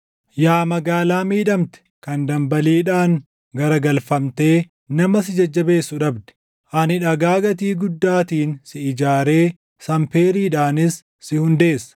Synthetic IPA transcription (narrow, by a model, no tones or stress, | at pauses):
jaːmɐɡaːlaːmiːᶑɐmt̪ɛ̥kɐnd̪ɐmbɐliːᶑaːŋ | ɡɐɾɐɡɐlfɐmt̪e̞ː | nɐmɐsɪd͡ʒɐd͡ʒːɐbe̞ːsːʊᶑɐbd̪ɛ̥ | ʔɐnɪᶑɐɡaːɡɐt̪̬iːɡʊd̪ːaːt̪iːnsɪɪd͡ʒaːɾe̞ː | sɐmpeːɾiːᶑaːnɪsː | ɪhʊnd̪e̞ːsːɐ̥